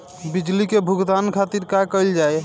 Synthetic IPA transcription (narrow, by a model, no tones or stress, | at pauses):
bid͡ʒlikebʱuɡt̪ankʰat̪iɾkakəɪld͡ʒaj